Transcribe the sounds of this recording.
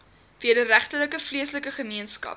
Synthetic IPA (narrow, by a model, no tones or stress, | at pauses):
viədəɾæχtərləkəfliəsləkəχəmiənskɐ̰p